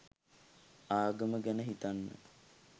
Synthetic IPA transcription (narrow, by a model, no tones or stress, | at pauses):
aːɡəməɡænəɦit̪anːə̰